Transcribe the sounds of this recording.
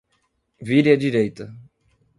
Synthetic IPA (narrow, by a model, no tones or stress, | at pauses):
viɾɪɐd͡ʒiɾejt̪ɐ